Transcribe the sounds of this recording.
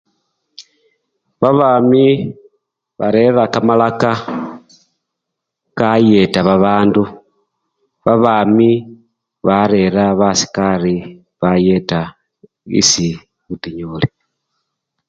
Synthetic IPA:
βaβaːmi | βaɾe̞ɾakamalaka | kaje̞taβaβaːndu | βaβaːmi | βaɾe̞ɾaβasi̥kaɾi | βaje̞ta | ḭsi | βutiɲuli

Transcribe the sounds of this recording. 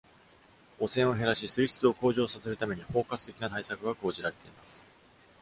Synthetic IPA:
o̞sẽ̞ɰ̃o̞ɦe̞ɾaɕisɨiçi̥t͡sɨo̞ko̞ːʑo̞ːsase̞ɾɯt̪ame̞ɲ̟iho̞ːkat͡sɨ̥t̪e̞kʲinat̪aisakɯ̟ɡako̞ːʑiɾaɾe̞t̪e̞imasɨ̥

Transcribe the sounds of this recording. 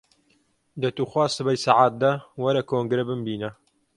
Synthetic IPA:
d̪ɐt̪uːxwaːsɨbɐjsaʕaːt̪̚d̪ɐwɐɾɐkʰoːŋɡɾebɨmbiːnɐ

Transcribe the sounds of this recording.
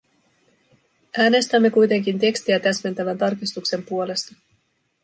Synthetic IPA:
æːne̞st̪æmːe̞kujt̪e̞ŋk̟int̪e̞kst̪iæt̪æsme̞nt̪æʋænt̪ɑrkist̪ukse̞mpuo̞le̞st̪ɑ

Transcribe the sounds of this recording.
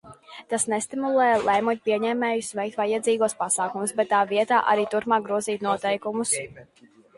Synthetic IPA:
t̪asnɛst̪imulˠɛːjlˠɛjmɔɲpiɛɲɛːmɛːjusvɛjk̚t̪vajɛd̪ziːɡuɔspasaːkumusbɛt̪ːaːviɛt̪aːʔaɾiːt̪uɾpmaːk̚ɡɾuɔziːt̪nuɔt̪ɛjkumus

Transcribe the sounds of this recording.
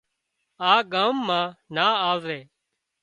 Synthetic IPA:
aːɡaːmːãːnaːaːʋɾeː

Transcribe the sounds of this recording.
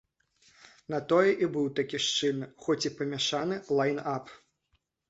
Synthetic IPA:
nat̪ɔjɛʔibɨwt̪akʲiʂt͡ʂɨnxɔt͡sʲipɐmʲɛʂanɨlˠajnap

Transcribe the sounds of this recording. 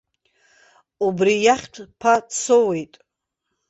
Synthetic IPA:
ubrijaχʲtʷʰpʰat͡sʰowe̞jtʼ

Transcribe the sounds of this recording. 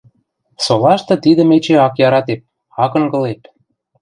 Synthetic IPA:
solɑʃt̪ɤ̆t̪id̪ə̆met͡ɕeɑkjɑɾɑt̪ep̚ | ɑkɤ̆ŋɡɤ̆lep̪

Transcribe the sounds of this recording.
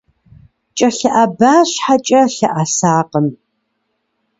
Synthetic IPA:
t͡ʃʼɐɬɐʔabaːɕħat͡ʃʼɐɬɐʔasaːqəm

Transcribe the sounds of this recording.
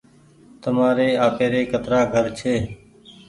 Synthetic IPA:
t̪əmaːɾeːaːpeːɾeːkət̪ɾaːɡʱəɾt͡ʃʰeː

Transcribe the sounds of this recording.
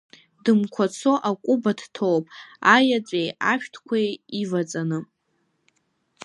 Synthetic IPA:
dɨmkʷʰat͡sʰo̞ʔakʷʼʊbadtʰowpʼajat͡sʷʼejaʃᶣtʰkʷʰajivat͡sʼanɨ

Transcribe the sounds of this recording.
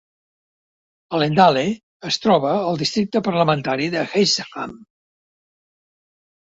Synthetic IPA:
əlend̪ale | əst̪ɾɔβəːlˠd̪ist̪ɾik̚t̪əpərləmənt̪aɾiðəxezeʁa̰m

